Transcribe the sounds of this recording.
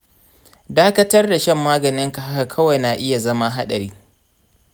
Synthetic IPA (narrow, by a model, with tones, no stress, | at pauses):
daː˦kɐ˦tɐ˦rda˨ʃɛ˦˨mːaː˦ɡɐ˨nɪ˦ŋka˨ha˦ka˨kʰɐ˦wa˨jnaː˨ʔɪ˦ja˨zɐ˦ma˦ɦa˦ɗɐ˨ɾiː˦